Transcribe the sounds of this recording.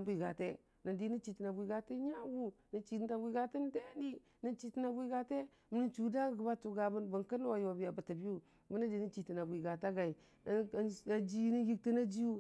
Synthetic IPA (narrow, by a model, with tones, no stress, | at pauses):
bʷi˨ɡa˨te˦ | nə˨ndi˨ni˦t͡ʃi˨ti˨na˨bʷi˨ɡa˨te˦ɲa˦wu˦ni˨t͡ʃi˨˦a˨bʷi˨ɡa˦ti˦n˦de˦ni˦ | ni˦nt͡ʃi˦ti˦na˨bʷi˦ɡa˨te˦ | mi˨˦ni˦nt͡ʃu˨da˦˨ɡə˨ba˦tu˨ɡa˨bə˦nbə˨nkə˦n˦wa˨jo˨bi˨ja˨bə˨ta˨bi˦ju˦ | mi˦ni˦di˨ni˦t͡ʃi˨ti˨na˨bʷi˨ɡa˨ta˦ɡa˨i˨˦ | a˨d͡ʒi˦ni˦ji˦k̚ti˦na˦d͡ʒi˦ju˦